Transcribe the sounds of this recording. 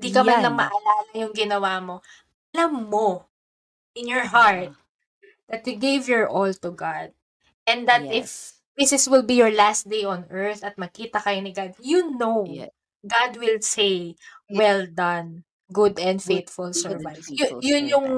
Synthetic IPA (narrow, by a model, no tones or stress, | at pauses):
d̪ikɐmanlɐŋmɐʔɐlaːlɐjʊŋɡɪnɐwamo̞ | ʔɐlɐmːo | ʔɪnjɔɹɦaɹt̪̚ | d̪̥ɐt̪juɡevjɔɹʔolt̪ʊɡad̪̚ | ʔɛ̃nd̪ɐt̪ʔɪf | ðɪsɪswɪlbijɔɹlast̪̚d̪ejʔɔnɛɹθɐt̪̚mɐkiːt̪ɐkɐjonɪɡad̪̚junow | ɡad̪̚wɪlsejwɛld̪ɐ̃n | ɡʊd̪ɛ̃nd̪fejt̪fʊlsɛɹvajsjʊjʊnjʊŋ